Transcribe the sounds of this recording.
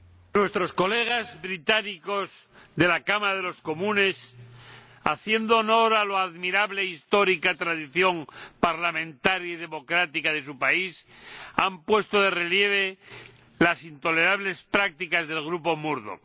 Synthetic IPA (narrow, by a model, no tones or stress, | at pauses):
nwe̞st̪ɾo̞sko̞le̞ɣ̞azbɾit̪aniko̞zðe̞lakamaaðe̞lo̞sko̞mũne̞s | aθje̞nd̪oːno̞ɾaloaðmiɾaβleist̪o̞ɾikat̪ɾaðiθjo̞mpaɾlamẽ̞nt̪aɾjaið̞e̞mo̞kɾat̪ikaðe̞supaisampwe̞st̪oðe̞relje̞β̞e̞ | lasint̪o̞le̞ɾaβ̞le̞spɾak̚t̪ikazðe̞lɣ̞ɾupo̞muɾðo̰